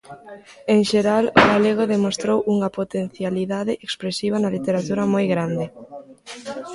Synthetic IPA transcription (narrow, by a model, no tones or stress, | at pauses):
eŋʃeɾaloɣaleɣ̞oðemost̪ɾowuŋɐpot̪en̟θjaliðaðɪʔekspɾesiβ̞ɐnɐlit̪eɾat̪uɾɐmojɣɾand̪ɪ